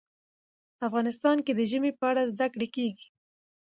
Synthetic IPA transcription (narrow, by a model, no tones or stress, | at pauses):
afɣɑnɪst̪ɑnked̪əʒəmepəaɽazd̪akɽekeɡi̥